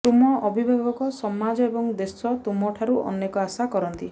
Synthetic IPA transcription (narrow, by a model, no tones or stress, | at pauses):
t̪umɔʔɔbʱibʱaɡɔkɔsɔmad͡ʒɔebɔŋd̪esɔt̪umɔʈʰaɾuʔɔ̰nːekɔasakɔɾɔnt̪i